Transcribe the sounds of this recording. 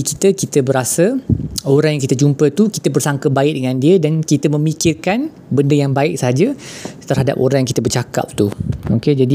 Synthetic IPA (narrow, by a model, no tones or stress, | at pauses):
ikit̪əkit̪əbəɾasaoɾaŋjaŋkit̪əd͡ʒumpət̪ukit̪əbərsaŋkəbaɪk̚dəŋãndiədankit̪əmə̃mikɪrkan | bəndəjaŋbaɪk̚səɦad͡ʒət̪ərɦada̰poɾaŋjaŋkit̪əbərt͡ʃaka̰p̚t̪uoked͡ʒadi